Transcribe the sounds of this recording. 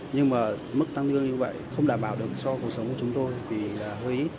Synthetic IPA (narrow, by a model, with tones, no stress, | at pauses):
ɲɨ˧ŋmaː˨˩ | mɨ˦˥k̚t̪a˧ŋt̪ʰɨ˧əŋɲɨ˧və̰˧˨jxə˧wŋ͡mɗaː˧˩mɓaː˨˩wɗɨ˨˩ək̚t͡ɕɔ˧ku˨˩ək̚sə˨˦wŋ͡mku˧˩t͡ɕʊ˨˦ŋ͡mt̪o˧jvi˨˩laː˨˩ɦəː˧jʔi˦˥t̚